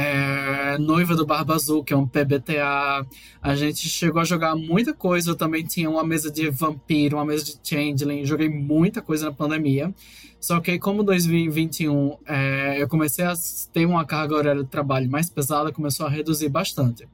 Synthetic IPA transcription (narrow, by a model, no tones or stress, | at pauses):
ɛnojvɐd̪ʊbahbazukɪɛũpebet̪ea | aʒẽnt͡ʃɪʃeɡowɐʒoɡaɾmũj̃t̪ɐkojzɐewt̪ɐ̃mbẽj̃t̪ĩɲɐũmɐmezɐd͡ʒɪvɐ̃piɾʊũmɐmezɐd͡ʒɪt͡ʃẽd͡ʒlẽj̃ewʒoɡejmũj̃t̪ɐkojzɐnɐpɐ̃nd̪emiɐ | sɔkɪkõmʊd̪ojzmiwivĩt͡ʃ̪ɪũɛewkõmesejɐt̪eɾũmɐkaɾɡɐoɾɛɾɐd͡ʒɪt̪ɾabaʎʊmajspezad̪ɐkõmesowɐɦed̪uziɾbaʃt̪ɐ̃t̪ɪ̥